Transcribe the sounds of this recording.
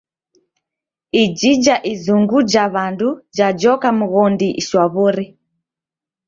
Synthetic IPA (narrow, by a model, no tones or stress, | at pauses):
id͡ʒid͡ʒaʔizuŋɡud͡ʒaβandud͡ʒad͡ʒɔkamuɣɔndiʔiʃwaβuɾi